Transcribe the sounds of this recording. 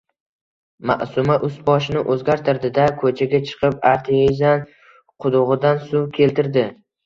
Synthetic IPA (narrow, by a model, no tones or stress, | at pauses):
ma̰ʔsʊmaʔʊst̪bɒʃɪnɪʔɵzɡʲaɾt̪ʰɪɾd̪ɪd̪akʰɵt͡ʃʰaɡʲat͡ʃʰɨ̥qʰɨpaɾt̪ʰeezan | qʰʊd̪ʊʁɨd̪ansʊwkʲʰe̞lt̪ɪɾd̪ɪ